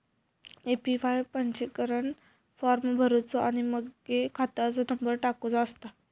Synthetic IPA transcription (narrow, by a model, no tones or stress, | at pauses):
epifajpəɲt͡ɕikəɾəɳ | fɔɾmbʱəɾot͡sɔʔaɽ̃iməɡɡekʰat̪at͡sɔnəmbəɾʈakud͡zəst̪a